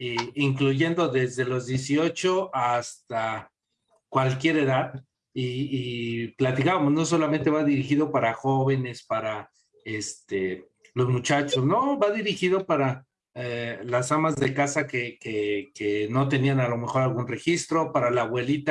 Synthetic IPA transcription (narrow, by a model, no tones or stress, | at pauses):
iiŋkluʝe̞nd̪o̞ðe̞zðe̞lo̞zðje̞sio̞t͡ʃo̞ʔast̪a | kwalkje̞ɾe̞ðað | iː | plat̪ikaβamozno̞s̬o̞lamẽnt̪e̞βaðiɾixiðo̞paɾaxo̞βe̞ne̞spaɾa | est̪e̞ | lo̞zmut͡ʃat͡ʃo̞sno̞baðiɾixiðo̞paɾa | elasamazðe̞kasakekekeno̞t̪̬e̞nianalo̞me̞xo̞ɾalɣunre̞xist̪ɾo̞paɾalaːβwe̞lit̪a